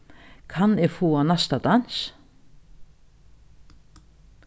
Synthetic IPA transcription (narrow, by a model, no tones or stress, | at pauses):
kʰɑneːfoːɑnɑst̪ɑd̪ɑns